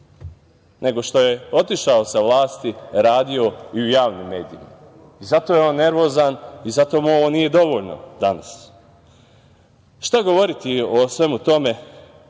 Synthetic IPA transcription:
nʔe̞ɡo̞ʃt̪o̞je̞o̞t̪iʃaosaʋlaːst̪iɾaːd̪io̞iujaːʋnimːe̞ːd̪iima̰ | izat̪o̞ːjeo̞nːe̞ɾʋo̞ːzanizat̪o̞ːmuoʋonije̞d̪o̞ʋo̞ːʎno̞̰d̪ana̰s | ʃt̪aɡo̞ʋo̞ɾit̪iosʋe̞mut̪o̞me̞

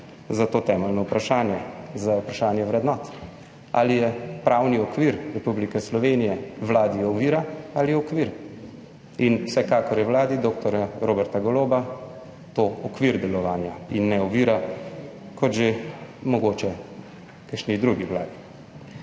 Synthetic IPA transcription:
zat̪oːt̪ɛːmɛlnɔupɾaʃaːnjɛzaupɾaʃaːnjɛʋɾɛd̪nɔːt̪ | a̰lijɛpɾawniɔkʋiɾɾɛpublikɛslɔʋeːnijɛʋlaːd̪iɔʋiːɾaaliɔkʋiːɾ | inwsɛkaːkɔɾjɛʋlaːd̪id̪oːk̚t̪ɔɾjaɾoːbɛɾt̪aɡɔloːba | t̪oːɔkʋiɾd̪ɛlɔʋaːnjainːɛɔʋiːɾa | kʰɔt̪ʒemɔɡoːt͡ʃɛ | kaʃnid̪ɾuɡiʋlaːd̪i

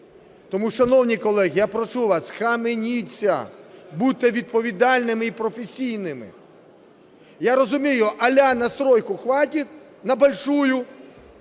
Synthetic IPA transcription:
t̪ɔmuʃɐnɔwnʲijkɔlˠɛɣjapɾɔt͡ʃuʋasxɐmɪnʲit͡sʲːɐ̰but̪ɛʋʲid̪̚pɔʋʲid̪ɑlʲnɪmɪipɾɔfesʲijnɪmɪ̰ | jaɾɔzʊmʲijʊʔɐlʲanɐst̪ɾɔjkʊxʋatʲit̪ʲ | nɐbɐlʲʃujʊ

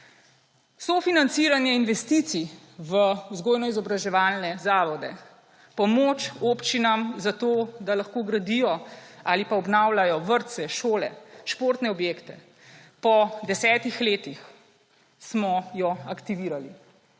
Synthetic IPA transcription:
sofinant̪siːɾanjɛinʋɛst̪it̪si | ʋəzɡoːjnɔizɔbɾaʒɛʋaːlnɛzaːʋɔd̪ɛ̰ | pɔmoːt͡ʃopt͡ʃinamzat̪oːd̪alaxkoːɡɾad̪ijɔalipaɔbnawlajɔʋəɾt̪sɛʃoːlɛ̰ʃpoːɾt̪nɛɔbjeːkt̪ɛ | pɔd̪ɛsɛːt̪ixleːt̪ix | smɔjɔakt̪iʋiːɾali

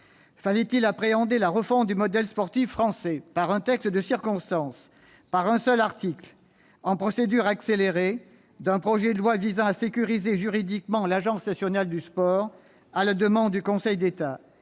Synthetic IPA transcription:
falɛt̪ilapχeɑ̃d̪elaʁəfɔ̃t̪̚d̪ymɔd̪ɛlspɔʁt̪ifːχɑ̃sɛpaʁɛ̃t̪ɛkst̪d̪əsiʁkɔ̃st̪ɑ̃s | paʁɛ̃sœlaʁt̪ikl | ɑ̃pχɔsed̪yʁakseleʁe | d̪ɛ̃pχɔʒɛd̪əlwavizɑ̃asekʲyʁizeʒyʁid̪ikmɑ̃laʒɑ̃snasjɔnald̪yspɔːʁ | alad̪əmɑ̃d̪d̪ykɔ̃sɛjd̪et̪a

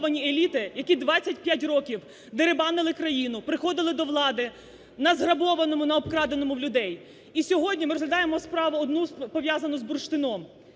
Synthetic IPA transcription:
ʋɐnʲielʲit̪ɪjɐkʲid̪ʋɑt͡sʲːɐtʲpʲjat̬ʲrɔkʲiw | d̪eɾebɑnɪlˠɪkɾɐjinʊpɾɪxɔd̪ɪlˠɪd̪ɔʋlˠɑd̪ɪ | nɐzɦɾɐbɔʋɐnɔmʊnɐɔbkɾɑd̪enɔmʊlʲʊd̪ɛj | isʲɔɦɔdʲnʲimɪɾɔzɦlʲɐd̪ɑjemɔspɾɑʋɐɔd̪nuspɔʋʲjazɐnɔzburʃt̪ɪnɔm

